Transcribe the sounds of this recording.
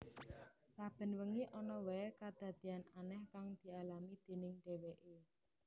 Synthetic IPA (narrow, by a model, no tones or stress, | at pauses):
sab̥ə̤nwəŋiʔɔnɔwɛkad̪̥ä̤d̪̥i̤ananɛhkaŋd̪̥i̤alamid̪̥e̤nɪŋɖ̥e̤weʔe